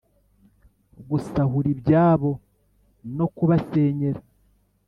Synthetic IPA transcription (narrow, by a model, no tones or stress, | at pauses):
ɡusahuɾibɟaːβo̞ | no̞kuβase̞ːɲe̞ɾa